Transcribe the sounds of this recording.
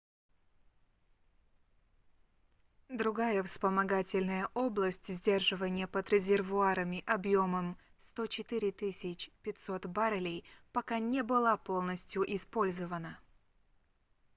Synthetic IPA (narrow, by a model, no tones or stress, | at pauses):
d̪ɾʊɡajəfspəmɐɡatʲɪlʲnəjəʔo̞blˠəsʲtʲzʲdʲe̞rʐɨvənʲɪjəpəd̪ɾʲɪzʲɪrvʊaɾəmʲɪʔɐbjo̞məm | st̪o̞t͡ɕɪt̪ɨɾʲɪt̪ɨsʲɪt͡ɕpʲɪt̪ʲso̞t̪baɾəlʲɪjpɐkanʲɪbɨlˠapo̞lˠnəsʲtʲjʊʔɪspo̞lʲzəvənə